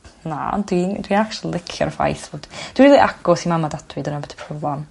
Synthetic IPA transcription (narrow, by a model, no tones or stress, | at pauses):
na̰ɔ̰ndwindwinakt͡ʃllɪkʰjɔ̰ɾəfa̰jθvod̥d̥winriːlˠiʔaɡ̥ɔsimamadad̥wɨdənabədi̥pʰrɔblˠan